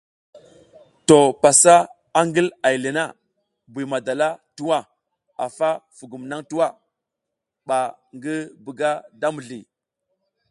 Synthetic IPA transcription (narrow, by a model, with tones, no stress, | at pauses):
to˨pa˨sa˦ | a˦ŋɡi˦la˨jli˨na˦ | bu˨ma˨da˨la˦tu˦wa˦˨ | a̰˨fa˦fu˨ɡu˨mna˦ŋtu˦wa˦˨ | ɓa˨ | ŋɡi˦bə˨ɡa˦da˦mu˨ɮi˨